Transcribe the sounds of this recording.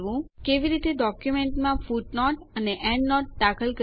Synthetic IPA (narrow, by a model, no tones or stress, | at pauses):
ʋũkeʋiɾit̪eɖɔkjumeɳʈmãfuʈnɔʈəneʔɛ̃ɳɖnɔʈ̚ːakəlkə